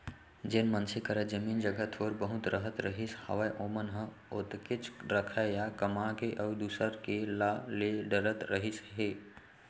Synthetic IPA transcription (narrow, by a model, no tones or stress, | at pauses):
d͡ʒenmənsikəɾəd͡ʒəmiːnd͡ʒəɡət̪ʰʋəɾbəɦʊt̪ɾʔəɦət̪ɾəɦishə̰ʋəjʔoːmənɦə̃ | ot̪kɪt͡ʃɾəkʰəjakəmãkeʔəːɾd̪uːsəɾkelaleɖəɾət̪ɾəɦisɦeː